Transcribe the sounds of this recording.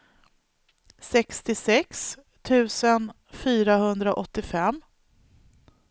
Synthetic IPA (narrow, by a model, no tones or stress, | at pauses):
sɛkst̪ɪsɛks | t̪ʰʉ̟ːsən | fyːɾahɵnd̪ɾaʔɔt̪ːɪfɛmː